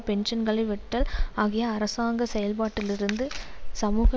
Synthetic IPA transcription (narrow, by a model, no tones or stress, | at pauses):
pɛnʂɐnɡɐɭɐɪʋɛʈːɐlaːɣɪjɐːɾɐsaːŋɡɐsɛjɐlpaːʈːɪlɪɾɯnd̪ɯsɐmuːɣɐ